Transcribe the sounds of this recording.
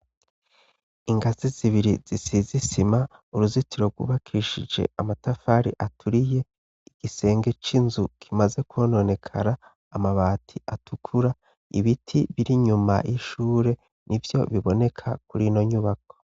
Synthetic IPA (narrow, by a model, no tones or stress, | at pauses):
iŋɡaziziβiɾiz̥isizisimauɾuzitiɾo̞ɡwṵβakʰiʃid͡ʒe̞̰amatafaɾḭʔatʰuɾije̞ | iɡ̥ise̞ːŋɡe̞t͡ʃinzukʰimaze̞kuono̞ne̞kʰa̰ɾaː | maβaːtʰiʔatukʰuɾa | ḭβitʰiβiɾiɲuma̰jiʃuːɾe̞ | nʔivjo̞̰βiβo̞ne̞kʰa̰kuɾino̞ɲuβak̚o̞̥